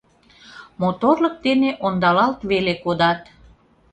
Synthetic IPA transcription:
mot̪orlək̚d̪eneʔond̪ɑlɑlt̪βelekod̪ɑt̪

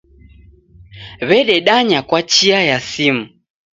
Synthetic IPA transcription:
βɛɗɛɗaɲakwat͡ʃiajasim̩

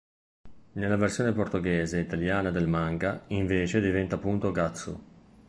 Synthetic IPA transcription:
nelːaversjoːneport̪oɡɛːzeit̪aljaːnad̪elmaŋɡaiɱveːt͡ʃed̪ivɛnt̪apːunt̪oɡat̪sːo̰

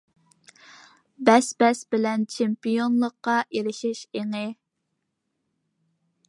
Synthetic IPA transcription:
bɛsbɛsbɪlɛnt͡ʃʰempijonlˠəqːɑʔeɾɪʃɪʃeŋɪ

